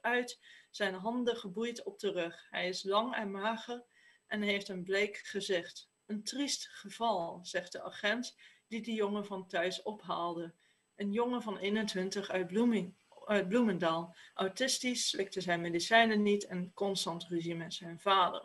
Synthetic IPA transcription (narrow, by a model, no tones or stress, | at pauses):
œɥtzɛjnɦɑndəχəbujtɔb̚dərɵχɦɛjɪslɑŋɛnmaːχər | ʔɛnɦejftənblejkχəzɪχt | əntristχəv̥ɑlˠz̥ɛχt̚dəa̰χɛntd̥idəjoŋəvɑntœɥsɔpɦaːlˠdə | ʔənjoŋəvɑnejnəntʋɪntəχœɥtbu | œɥt̚bluməndaːlˠʔawtɪstisːlɪk̚təzɛjnmeːdisɛjnənitɛnkɔnstɑntreʒiməz̥ɛjnvaːdə̰r